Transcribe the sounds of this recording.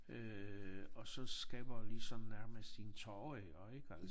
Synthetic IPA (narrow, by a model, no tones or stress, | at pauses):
ø | ɒ̽sɒ̽sɡ̥ɛːb̥ɐlisɒ̽n̩næɐməsd̥int͡sʰɒːeɒeɡ̥æl